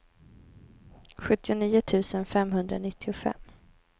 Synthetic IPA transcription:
ɧɵt̪ːɪʊniːʊt̪ʰʉ̟ːsənfɛmɦɵnd̪ɾanɪt̪ʰːɪʊfɛ̰mː

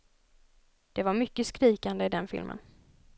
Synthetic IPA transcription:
d̪̥ɛvaɾmʏkːəskɾiːkand̪əɪd̪ɛnfɪ̰lmʔə̰n

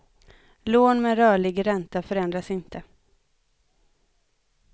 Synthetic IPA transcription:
loːnmɛɾœːɭɪɡɾɛnt̪afœɾɛnd̪ɾasɪnt̪ʰə

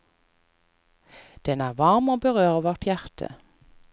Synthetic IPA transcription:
d̪̥ɛnæːʁʋɑʁmoːbəʁøːʁəʋɔʁʈjæʁt̪ʰə̰

